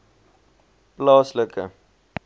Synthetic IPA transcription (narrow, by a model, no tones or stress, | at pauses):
plɑːsləkə̰